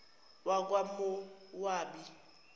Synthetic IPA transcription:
wak̬ʼwamʊwaːbi

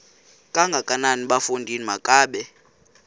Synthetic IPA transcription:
kʼaŋɡʱakʼananiɓafundʱinimakʼaːɓɛ

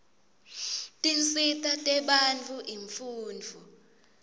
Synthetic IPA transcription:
tʼinsitʰʼatʼɛɓant͡fʰʼuʔiɱfuːnd͡vʱu

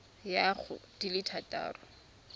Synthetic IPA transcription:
jaχʊ̰d̥ilɪtʰata̰ːrʊ

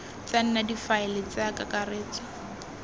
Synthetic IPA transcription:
t͡san̩nadifaɪlɪt͡sakakareːt͡sʼa

